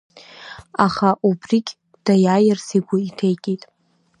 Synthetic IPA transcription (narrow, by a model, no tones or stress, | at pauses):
aχaʔubrikʲʼ | d̥ajajɪrsiɡʷʊitʰejkʲʼitʼ